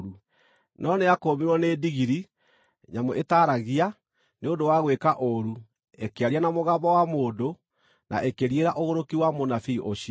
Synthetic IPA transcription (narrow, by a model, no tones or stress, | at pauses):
ɾu | nɔneakoːmiɾwɔneːdiɣiɾi | ɲamoʔetaːɾaɣia | neondowaɣwekaʔoɾu | ekeaɾianamoɣaːbɔwamoːdo | nʔa̰ʔekeɾieɾaʔoɣoɾokiwamonafiːʔoɕi